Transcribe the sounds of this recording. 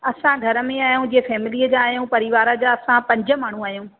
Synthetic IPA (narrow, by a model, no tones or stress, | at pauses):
ɐsãɡʱɐɾə̆mẽaːjũd͡ʑiefɛːmɪliːəd͡ʑaːɦjũpɐɾiʋaːɾəd͡ʑaːɐsãpɐ̃ɲd͡ʑə̆maːɳ̤ũaːɦjũː